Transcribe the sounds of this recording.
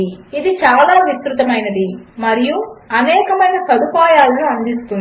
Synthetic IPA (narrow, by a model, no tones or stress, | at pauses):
id̪it͡ʃaːlaːʋisɾut̪ɐmɐjnɐd̪imɐɾijuɐnɛːkɐmɐjnɐsɐd̪upaːjaːlːuɐnd̪ist̪un